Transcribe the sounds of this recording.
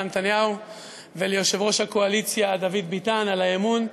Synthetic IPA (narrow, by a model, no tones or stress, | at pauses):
net̪anjahu | velejo̞ʃe̞vʁo̞ʃhakoalit͡sjad̪avid̪bitanalajemun